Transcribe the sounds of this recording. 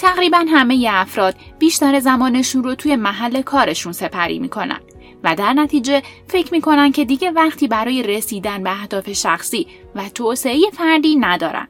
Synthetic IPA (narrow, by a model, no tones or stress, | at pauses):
t̪ʰæɣɾiːbænɦæme̞je̞æfɾɒːd̪̥̚b̥iːʃt̪æɾezæmɒːne̞ʃunrot̪ʰuːje̞mæɦælːe̞kʰɒːɾe̞ʃunse̞pʰæɾḭːmḭkʰo̞næ̰nd̪̥ | væd̪æɾnæt̪ʰiːd͡ʒe̞fe̞cʰmiːkʰo̞næn̥̚cʰe̞d̪iɟe̞væχt̪ʰiːbæɾɒːje̞ɾesiːd̪ænbeæhd̪ɒːfe̞ʃæxsiː | væt̪ʰoːse̞eje̞fæɾd̪iːnæd̪ɒːɾæ̰nd̪̥